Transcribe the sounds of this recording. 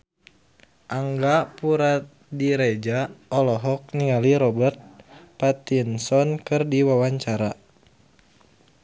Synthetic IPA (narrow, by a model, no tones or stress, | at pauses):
ʔaŋɡapuɾat̪̚diɾed͡ʒaɔlɔɦɔk̚niŋaliɾɔbərt̪̚pat̪insɔnkɨrdiwawaɲt͡ʃaɾa